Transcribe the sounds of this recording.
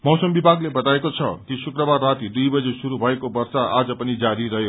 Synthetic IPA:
mʌwsəmbibʱaɡlebʌt̪aekot͡sʰʌ̰kisukɾʌbarːat̪id̪ujbʌd͡zesuɾubʱʌekobʌɾsaʔad͡zʌpʌnid͡zaɾiɾʌɦjo

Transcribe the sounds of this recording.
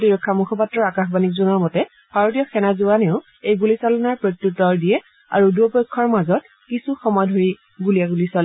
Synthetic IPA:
diɹɔkʰːamukʰɔpatːɹɔɹakaxbanik̚zunɔɹmɔtɛ | bʱaɹotijɔxʰɛnazuwaneʊ | ejɡulisalɔnaɹpɹotjutːɔɹdijɛ | a̰ɹuduɔpɔjkʰːɔɹmazɔt | kisuxɔmɔjdʱoɹi | ɡulijaɡulisalɛ

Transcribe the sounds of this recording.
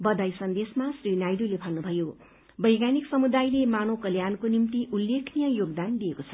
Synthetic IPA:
bʌd̪ajsʌnd̪esmasrinajd̪ulepʰalnubʱʌjo | bʌjɡaniksʌmud̪ajlemanokʌljankonimt̪iʔulːekʰnijʌjoɡd̪and̪ijekot͡sʰʌ

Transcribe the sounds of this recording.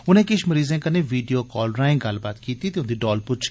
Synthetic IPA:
ʊnẽːkɪʃməɾiːzẽːkəneːʋiːɖijoːkɔːlɾaːɪ̃ŋɡəlbaːt̪kiːt̪iːt̪eːʊ̃nd̪iːɖɔːlpʊt͡ʃʰ

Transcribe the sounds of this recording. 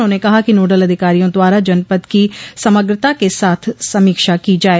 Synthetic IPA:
onekɐɦakinoːɖələd̪ʱɪkaːɾijõːd̪ʊaːɾad͡ʒənpət̪kisəməɡɾət̪akesaːt̪ʰsəmiːkʃakiːd͡ʒaːeː

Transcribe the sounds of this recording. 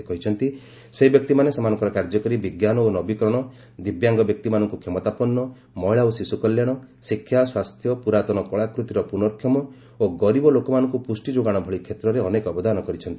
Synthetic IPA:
ekɔɦit͡ʃʰɔnt̪i | seɦibjɔk̚t̪imanesamanɔŋkɔɾɔkaɾd͡ʒɔkɔɾibiɡjanɔonɔbikɾɔɽ̃ɔ | d̪ibjaŋɡɔbjɔk̚t̪imanɔŋkukʰemɔt̪apɔnːɔ | mɔɦiɭaosisukɔljaɽ̃ɔ | sikʰːjaswast̪ʰjɔpuɾat̪ɔnɔkɔɭakɾut̪iɾɔpunɔɾkʰjɔmɔ | oɡɔɾibɔlokɔmanɔŋkupusʈid͡ʒoɡaɽ̃ɔbʱɔɭikʰːet̪ɾɔɾeɔnekɔbɔd̪anɔkɔɾit͡ʃʰɔnt̪ii̥

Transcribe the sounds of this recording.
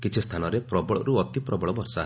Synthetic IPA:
kit͡ʃʰist̪ʰanɔɾepɾɔbɔɭɔ̰ɾuɔt̪ipɾɔbɔɭɔbɔɾsa

